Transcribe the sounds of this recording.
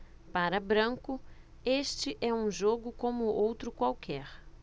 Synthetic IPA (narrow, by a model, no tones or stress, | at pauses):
paɾɐbɾɐ̃kʊ | eʃt͡ʃɪʔɛũʒoɡʊkõmʊʔowt̪ɾʊkwawkʰɛɾ